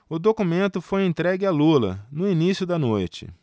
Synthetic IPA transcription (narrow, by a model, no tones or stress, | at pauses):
ʊd̪okumẽnt̪ʊfojẽt̪ɾɛɡɪalulɐ̰nʊinisjʊd̪ɐnojt͡ʃɪ̰